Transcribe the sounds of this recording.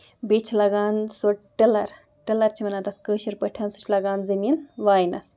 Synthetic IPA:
bet͡ʃʰlɐɡaːnsoʈʈelɐɾ | ʈɐlɐɾt͡ʃʰimɐnaːt̪ɐt̪kəːʃiɾpɐʈʰjaːnsu̥t͡ʃʰlɐɡaːnzɐmiːnʋaːjinɐ̰s

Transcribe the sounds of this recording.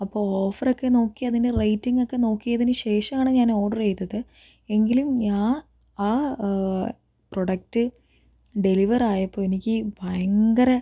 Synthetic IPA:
ɐpːo̞ːoːfɐrokːe̞no̞ːkːiɐðinde̞rɐjtːiŋɡo̞kːe̞no̞ːkːijɐðinɨɕe̞ːʂɐmaːɳɨɲaːno̞ːɖɐrejt̪ːɐðɨ | e̞ŋɡilumɲaːn | aː | pro̞ɽɐk̚tɨ | ɖe̞liʋɐraːjɐpːoːenikʲːɨbʱɐjɐŋɡɐɾɐ

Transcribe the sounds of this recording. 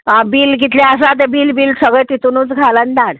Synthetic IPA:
abiːlɡit̪laas̬at̪̬ebiːlbiːlsəɡɭəjt̪it̪unuːt͡sɡʱalənd̪aɽ

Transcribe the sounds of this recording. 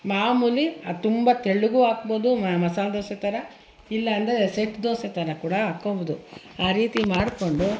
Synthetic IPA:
maːmuːliat̪umbɐt̪eɭːuɡuːaːkboːd̪ummɐsaːd̪oːset̪ɐɾɐ | ilːɐːnd̪eeseʈd̪oːset̪ɐɾɐkuːɽɐaːkoʋud̪u | aːɾiːt̪imaːɽko̞ɳɖu

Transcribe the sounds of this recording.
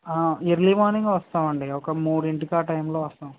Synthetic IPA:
aːeɾlimaːniŋɡʋɐst̪aːmɐɳɖiɔkɐmuːɽeɳʈikaːʈɐjmloːʋɐst̪aːm

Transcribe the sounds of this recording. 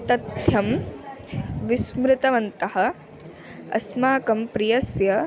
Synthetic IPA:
t̪ɐd̪ʱjɐm | ʋismɾɪt̪ɐʋɐnt̪ɐɦɐ̆ | ɐ̰smaːkɐmpɾijɐsjɐ

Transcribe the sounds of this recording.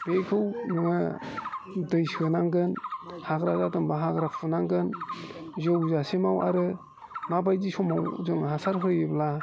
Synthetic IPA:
bekʰɯwnɯŋɯ | dɯjsɯnaŋɡɯnhaɡɾazatɯŋbaɦaɡɾapʰunaŋɡɯn | zɯwzasemawʔa̰ɾɯ | mabajzisɔmawzɯŋɦasaɾɦɯjɯbla

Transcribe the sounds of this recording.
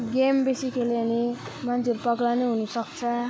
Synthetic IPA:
ɡembesikʰelene | mant͡sʰiʌɾupʌɡlawneɦunusʌkt͡sʰʌ

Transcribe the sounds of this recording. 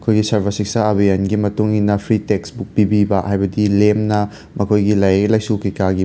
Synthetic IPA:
ɐkʰojɡisɐɾbʰɐsiksɐɐbijɐnɡimɐtuŋinɐpʰɾiteksbuk̚pibibɐhajbɐdilemnɐ | mɐkʰojɡilɐjelɐjsukikaɡi

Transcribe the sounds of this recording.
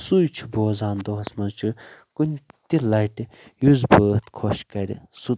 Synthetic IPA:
sujt͡ʃʰu̥boːzaːnd̪oɦɐsmɐt͡ʃʰukunʲt̪ilɐjʈi | juzbəːt̪kʰoʃkɐɾʲḭsu

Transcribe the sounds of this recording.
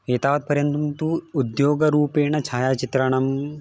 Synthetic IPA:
eːt̪aːʋɐt̪̚pɐɾjɐnt̪umt̪uːd̪joːɡɐɾuːpeːɳɐt͡ʃʰaːjaːt͡ʃit̪ɾɐɳɐm

